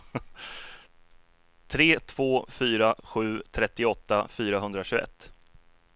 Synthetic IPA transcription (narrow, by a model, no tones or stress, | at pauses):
t̪ʰɾeːt̪ʰv̥oːfyːɾaɧʉ̟ːt̪ʰɾɛt̪ːɪɔt̪ːafyːɾaɦɵnd̪ɾaɕʉːɡɛ̰t̪ː